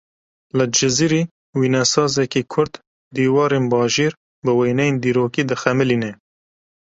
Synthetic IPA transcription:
lɨd͡ʒɪziɾiː | wiːnɛsɑːzɛkiːkʰʊɾd̪ | d̪iːwɑːɾeːnbɑːʒeːɾ | bɨwejnɛjeːnd̪iːɾoːkiːd̪ɨxɛmɨlinɛ

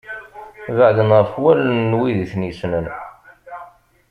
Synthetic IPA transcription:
vəʕðənʁəfwælnːwiðiθnisnən

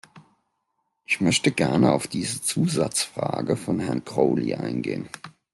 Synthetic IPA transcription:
ʔɪçmœçtəɡɛɐnəa̰ʊfd̥iːzət͡suːza̰t͡sfʁ̥a̰ːɡəfɔnhɛɐnkʁ̥oːlḭʔa̰ɪnɡeːən

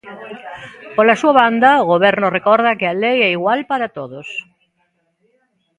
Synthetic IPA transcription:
polasuaβand̪ɐoɣoβ̞ɛɾnorekɔɾðɐkɪalejɛiɣwalpaɾat̪oðos

